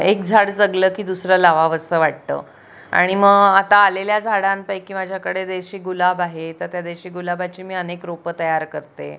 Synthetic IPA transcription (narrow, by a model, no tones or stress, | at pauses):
ek̚d͡zʱaɽd͡zəɡləːkiːd̪usɾəlaʋaʋəsəːʋaʈ̚t̪ə̰ː | a̰ɽ̃iməɡat̪aːleljad͡zʱaɽãnpajkiːmad͡ʑʱjakəɽed̪eɕiːɡulabaɦet̪əɾt̪jad̪eɕiːɡulabat͡ɕiːmiːənekɾopət̪əjaɾkəɾt̪ḛ